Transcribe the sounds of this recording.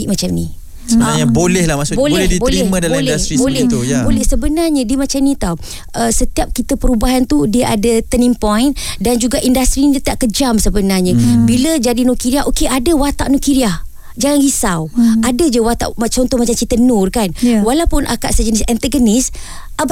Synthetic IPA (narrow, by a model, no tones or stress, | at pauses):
iʔmat͡ʃamni | saɲabolɛhlahmasubolɛlɛdibolɛhmadallɛasɾibolɛt̪bolɛhsəbənarɲədiəmat͡ʃamnit̪aw | ʔəsət̪iap̚kit̪əpəɾubaɦant̪udiəʔa̰dət̪ənimpɔjndand͡ʒuɡaʔindast̪ɾiɲət̪iaʔkəd͡ʒamsəbənarɲəbiləd͡ʒadinokiɾiaʔokeʔadəwat̪a̰ʔnokiɾiah | d͡ʒaŋanɡisawadəd͡ʒəwat̪a̰ʔmat͡ʃaɔnt̪ɔhmat͡ʃamt͡ʃit̪ənʊrkanwalawpʊnʔa̰kaʔsəd͡ʒənisɛnt̪əɡənis | ʔaba